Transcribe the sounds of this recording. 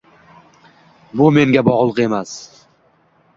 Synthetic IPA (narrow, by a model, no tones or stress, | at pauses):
bʊme̞ŋɡʲabɒʁlˠqe̞mas